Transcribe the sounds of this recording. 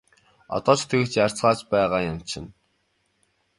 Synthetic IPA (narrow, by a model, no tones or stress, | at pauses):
ɔ̰t̪ɔːt͡ɕʰt̪ʰĕɣɘ̆t͡ɕjar̥t͡sɢaːt͡ɕpæːʁaːjʊm̥t͡ɕʰɪ̆n